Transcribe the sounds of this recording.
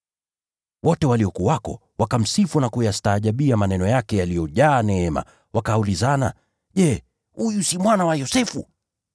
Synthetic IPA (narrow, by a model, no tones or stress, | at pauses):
wɔtɛwaliɔkuwakɔ̰ | wakam̩sifunakujastaːʄaɓiamanɛnɔjakɛjalijɔʄaːnɛɛma̰ | wʔakaulizana̰ | ʄɛ | hujusimwanawajɔsɛfṵ